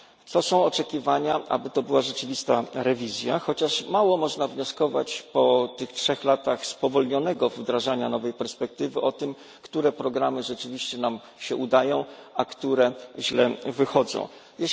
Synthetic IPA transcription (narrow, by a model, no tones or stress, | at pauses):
t̪sɔsɔ̃w̃ɔt͡ʂɛkʲivaɲaʔa̰bɘt̪ɔbɘwaʐɛt͡ʂɘvʲist̪aɾɛvʲizʲja̰xɔt͡ɕaʂmawɔmɔʐnavɲɔskɔva̰t͡ɕpɔt̪ɘxtʂɛxlat̪axspɔvɔlɲɔnɛɡɔvd̪ɾaʐaɲanɔvɛjpɛɾspɛk̚t̪ɘvɘʔɔt̪ɘm | kt̪uɾɛpɾɔɡɾamɘʐɛt͡ʂɘvʲiɕt͡ɕɛnam | ɕɛʔud̪ajɔ̃w̃akt̪uɾɛʑlɛvɘxɔd̪zɔ̰̃w̃ | jɛ